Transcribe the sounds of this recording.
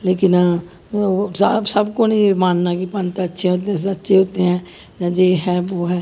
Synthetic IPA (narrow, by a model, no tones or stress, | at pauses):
leːkɪnː | bsəbkoːnimaːnnaːkipə̃nt̪ətːʃʰẽɦoːt̪̬eɛ̃ːsətːʃẽɦoːt̪eɛ̃ː | d͡ʒãːd͡ʒeːɦɛːoːɦɛː